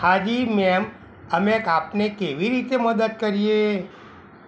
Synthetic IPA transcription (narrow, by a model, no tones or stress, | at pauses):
had͡ʒimɛm | əmekapnekeʋiɾit̪eməd̪əd̪̚kəɾije